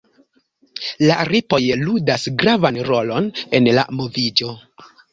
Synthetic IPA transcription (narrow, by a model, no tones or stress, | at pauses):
laɾipo̞jludasɡɾavanɾo̞lo̞ne̞nla̰mo̞vid͡ʒo̞